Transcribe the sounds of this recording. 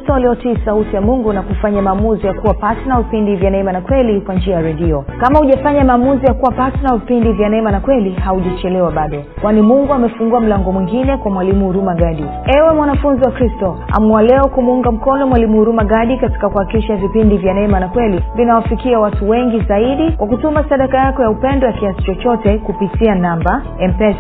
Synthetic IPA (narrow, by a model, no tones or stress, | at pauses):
tɔwaliɔtiːsautijamuŋɡunakufaɲamaːmuzijakuwapatɛnavipindivjanaɛmanakwɛlikwand͡ʒiajaɾɛɗiɔkamahuʄafaɲamaːmuzijakuwapatɛnavipindivjanaɛmanakwɛlihauʄat͡ʃɛlɛwaɓaɗɔ | kwanimuŋɡuamɛfuŋɡuam̩laŋɡɔmwiŋɡinɛkwamwalimuhuɾumaɡaɗi | ɛwɛmwanafunziwakɾistɔa̰mualɛɔkumuuŋɡam̩kɔnɔmwalimuhuɾumaɠaɗikati̥kakuhakiʃavipindivjanaɛmanakwɛlivinawafikiawatuwɛŋɡizaiɗikwakutumasaɗakajakɔjaupɛndɔjakiasi̥t͡ʃɔt͡ʃɔtɛkupitianamba | ɛmpɛs